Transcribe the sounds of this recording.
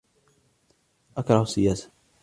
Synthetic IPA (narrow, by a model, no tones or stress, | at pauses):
ʔakɾˤɑhsːɪjaːsḁ